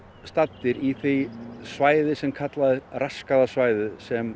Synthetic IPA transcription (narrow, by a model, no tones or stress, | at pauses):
st̪at̪ːɪɾiθejsvaːjðɪsɛmkʰat̪laðɪraskaðasvaːjðʏsɛm